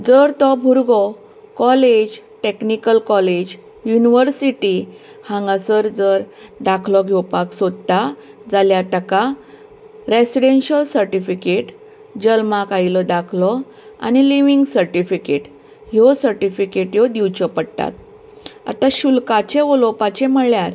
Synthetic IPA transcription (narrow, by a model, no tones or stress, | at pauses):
d͡zəɾt̪ɔbʱuɾɡɔ | kɔled͡ʑʈeknikəlkɔled͡ʑ | juniʋəɾsiʈi | hãŋɡasəɾd͡zəɾd̪akʰlɔɡʱewpaksod̪t̪ad͡zaljat̪əka | ɾesiɽenɕəlsəɾʈifikeʈ | d͡ʑəlmakajlɔd̪akʰlɔ | a̰ñiliʋiŋɡsəɾʈifikeʈ | ɦjɔsəɾʈifikeʈjɔd̪iwt͡ɕɔpəɽt̪a̰t̪̚ | a̰t̪aɕulkat͡ɕẽʋɔlɔpat͡ɕẽməɭjaɾ